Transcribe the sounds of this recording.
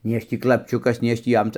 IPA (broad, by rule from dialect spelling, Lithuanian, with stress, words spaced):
nʲɛɪ ˈɐʃ ˈtʲiː klˠɐpʲˈt͡ʃʲʊkɐs nʲɛɪ ˈɐʃ ˈtʲiː ˈjɛm